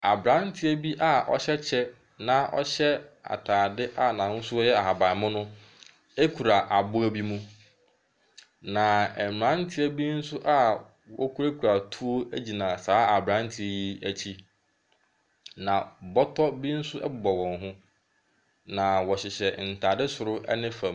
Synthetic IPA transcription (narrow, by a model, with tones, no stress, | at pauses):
a˨bɾã˨˦n˦tʰɪ˦æ˦bi˦ʔa˦˨ʔɔ̰˦ɕɛ˦t͡ɕʰɛ˦ | nã˨ʔɔ̰˦ɕɛ˦a̰˨tʰaː˨dɪ˦ʔa˦nã˨˦n̩˦sʊ˦ɔ˦jɛ˦a˨ɦa˨ba˨mʊ̃˦nʊ̃˦ | e˦kʰu˨ɾa˨ʔa˨bʊ˦æ˦bi˦mũ˦ | nã˨m˨ã˦n̩˦tʰɪ˦æ˦bi˦n̩˦sʊ˦ʔa˦ | wɔ̰˦kʰu˦ɾe˦kʰu˨ɾa˨tʰu˦o˦d͡ʑi˨nã˨saː˨˦a˨bɾã˦n˦tʰɪ˦ji˦æ˦t͡ɕʰi˦ | nã˨bɔ˦tʰɔ˦bi˦n̩˦sʊ˦ʔɛ̰˦bʊ˨bɔ˨wɔ̃˨nɦʊ̃˦ | nã˨wɔ˨ɕɪ˨ɕɛ˨n̩˨tʰaː˨dɪ˦sʊ˨ɾʊ˦ʔɛ̰˦nɪ̃˦fã˨m